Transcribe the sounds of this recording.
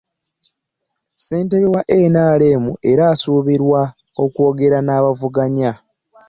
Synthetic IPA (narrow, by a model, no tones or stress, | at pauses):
se̞ːnteβewaʔenaːleːmuʔe̞ɾaːsuːβiɾwa | o̞ko̞ːɡe̞ɾanaːβavuɡaɲa